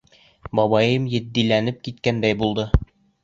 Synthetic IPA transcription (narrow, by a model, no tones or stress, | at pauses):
bɒβɑjɤmjɘ̆d̪ːilænɘp̚kit̪kænd̪æjbulˠd̪ɤ